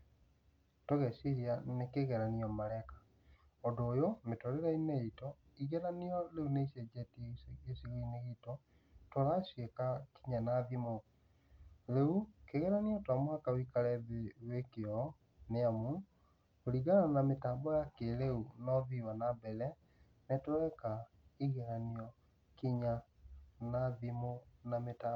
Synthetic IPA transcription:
toɣɛseɾianekeɣɛɾaniɔmaɾɛkḁ | ɔdoːjometoɾeɾaineitɔ | iɣɛɾaniɔɾeuneisɛd͡ʒetiesiɣiineɣitɔ | toɾaɕwekaki̥ɲanaðimo | ɾeukeɣɛɾaniɔtwamoakawikaɾɛβewekeɔ | neamu | oɾiɣananametaːmbɔjakeɾeunɔβiwanabɛlɛ | netwɛka | iɣɛɾaniɔ | kiɲa | naðimonameta

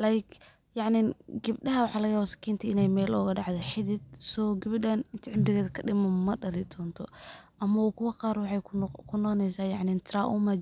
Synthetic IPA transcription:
laːjkʰ | jɑʕnɪɡɪb̚ɖɐɦɐwɑħɑːlɐɣjaːβaːsɐ̥kʰiːnt̪ʰɐɪnɛjmɛːlɔːɣɐɖɑʕd̪ɛħɪðɪd̪̚sɔːɡɪβɪdɐnɪnt̪ʰɪʕɪmdɪɣɛːðɐkʰɐɖɪmɐmɐɖɐlɪd̪ʰɔːnt̪ʰɔʔɐmɐwɔːkʰʊwɐqɑːɾwɑħɑjkʰʊnɔqnɛjsaːjɑʕnɪnt̪ʰɾaʔumɐ

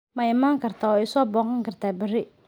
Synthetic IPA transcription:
mɐɪmaːŋkʰɐrt̪ʰaɔɛjsɔːbɔːqɐŋkʰɐrt̪ʰaːbɐɾɪ

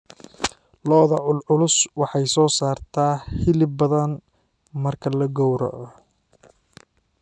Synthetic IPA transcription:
lɔːðɐʕʊlʕʊlʊswɑħɑjsɔːsaːrt̪ʰaːhɪlɪbɐðɐn | mɐrkʰɐlɐɡɔwɾɐ̰ʔ

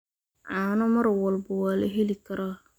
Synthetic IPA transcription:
ʕaːnɔmɐɾwɐlbɐwaːlɐɦɛlikʰɐɾa

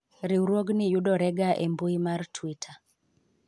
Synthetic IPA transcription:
ɾiwɾwoɡnɪjuɗɔɾɛɡaʔembuimartʰwitʰa

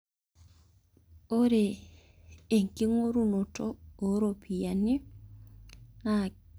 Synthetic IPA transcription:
oɾeː | ŋkiŋoɾunotooɾopʰijani | na

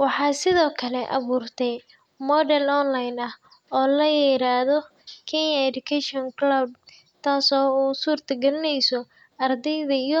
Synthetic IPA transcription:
wɑħɑːsɪðɔːkʰɐlɛʔɐ̰βuːrt̪ʰɛj | mɔdɛlɔnlajnɐh | ɔːlɐjɛɾaːðɔ | kʰɛnjɐɛd̪ʊkʰɛʃɔnklɐb | t̪ʰaːsɔːuːsuːrt̪ʰɐɡɛlɪnɛjsɔ | ɐrd̪ɛjðɐijɔ

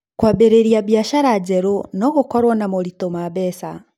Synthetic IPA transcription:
kwabeɾeɾiaβiaʃaɾad͡ʑɛɾonɔɣokɔɾwɔnamoɾitomaβɛsa

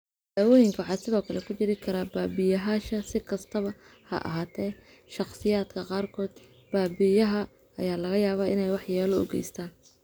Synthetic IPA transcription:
d̪̥aːwɔːjɪŋkʰɐħɑsɪðɔːkʰɐlɛkʰʊt͡ʃɪɾɪkʰɐɾabaːbɪjɐɦaːʃɐsɪkʰɐst̪ʰɐβɐ | hɐ̰ʔɐ̰ɦaːt̪ʰɛː | ʃɑqsɪjaːd̪kʰɐqɑːrkʰɔːd̪ | b̥aːbɪjɐɦɐ | ɐjaːlɐɣɐjaːβaːʔɪnɛjwɑħjaːlɔʊ̰ɡɛ̰jst̪ʰaːn

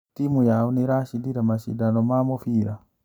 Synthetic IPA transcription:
timujauneɾaʃindiɾamaʃḭdanomamofiːɾa

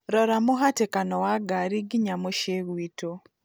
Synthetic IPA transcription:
ɾɔɾamoɦatekanɔwaɡaɾiɡiɲamoʃeɣwito

